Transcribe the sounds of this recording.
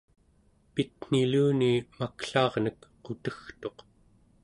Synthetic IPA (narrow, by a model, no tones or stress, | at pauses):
pit̪n̥iluːnimakɬɑːʁnəkqot̪əxt̪o̞q